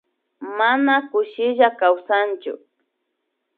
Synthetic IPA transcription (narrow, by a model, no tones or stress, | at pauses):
manakʊʃɪʒakawsant͡ʃʊ̰